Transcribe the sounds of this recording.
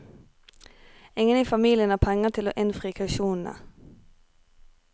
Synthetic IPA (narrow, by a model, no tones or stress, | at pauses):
ɪŋəniːfɑmiːlɪənæːpʰɛŋət̪ʰɪloːʔɪnfʁiːkʰʉʃuːnn̩ə̰